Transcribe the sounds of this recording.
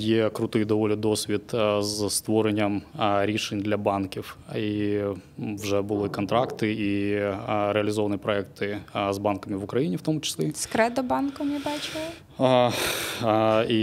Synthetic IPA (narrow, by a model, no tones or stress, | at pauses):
jekɾʊt̪ɪjd̪ɔʋɔlʲɪd̪ɔsʲʋʲit̪zst̪ʋɔɾenʲːɐmɾʲiʂenʲd̪lʲɐbɑnkʲifi | ʋʐɛbʊlˠɪkɔnt̪ɾɑkt̪ɪi | ɾeɐlʲɪzɔʋɐnɨjpɾɔɛkt̪ɪzbɑnkɐmɪʋʊkɾɐjinʲiwt̪ɔmʊt͡ʃɪ̥sʲlʲiskɾɛd̪ɔbɑnkɐmʲibɑt͡ʃɪ | i